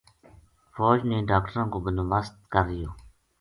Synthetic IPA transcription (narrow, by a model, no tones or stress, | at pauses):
fɔːd͡ʒneːɖaːk̚ʈəɾãːkoːbənobəst̪̚kəɾːɪjoː